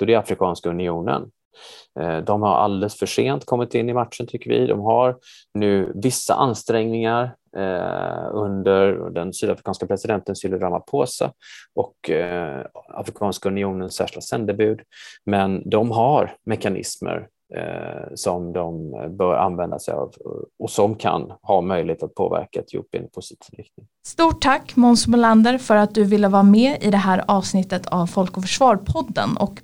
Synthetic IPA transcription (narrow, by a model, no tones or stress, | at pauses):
d̪ɔd̪ɛɾafɾɪkʰɑːnskaɵnɪuːnə̰n | d̪ɔmhaɾʔa̰ld̪ɛlsfœʂeːnt̪kʰɔmːɪt̪ɪnːɪmaʈʂənt̪ʰʏkːəɾvɪ̰d̪ɔ̰mɦaɾ | nʉ̟ːvɪsːa̰ʔanst̪ɾɛŋnɪŋaɾ | ɵnd̪əɾd̪ɛnsyːd̪afɾɪkɑːnskapʰɾɛsɪd̪ɛnt̪ənsʏlːədɾamapʰoːsa̰ʔɔk | a̰fɾɪkʰɑːnskaɵnɪuːnənsːæ̰ːʂɪlasɛnd̪əbʉ̟ːd̪mɛnd̪ɔmɦaɾmɛkanɪ̰smə̰ɾ | sɔmd̪ɔmbœːɾa̰nvɛnd̪asɛjɑ̰vɔsɔmkʰa̰nhɑːmœjlɪheːt̪at̪̚pʰo̰ːvæ̰ɾkaɛt̪ʰjɵ̰pːɪ̰npʰʊsɪ̥t̪ʰiːvɾɪkt̪nɪŋ | st̪uːʈʰːakːmɔnsmʊland̪əɾfœɾat̪̚d̪ɵvɪlːəvɑːamɛːɪd̪ɛɦæːɾɑːvsnɪt̪ːət̪ʰavfɔlkɔfœʂvɑːɾpʰɔd̪ːə̰nʔɔ̰k